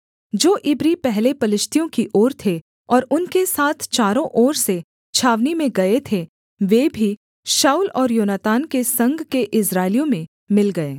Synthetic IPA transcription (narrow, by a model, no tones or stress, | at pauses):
d͡ʒoːʔɪbɾipɛɦlepɐlɪʃt̪ʰijõkiʔɔːɾt̪ʰe | ɔːɾʊnkesaːt̪ʰt͡ʃaːɾõʔɔːɾse | t͡ʃʰaːʋnimẽɡɐet̪ʰe | ʋeːbʱi | ʃaːulɔːɾjoːnat̪aːnkesɐ̃ŋɡʱkeʔɪsɾaːɪlijõmẽ | mɪlɡɐeː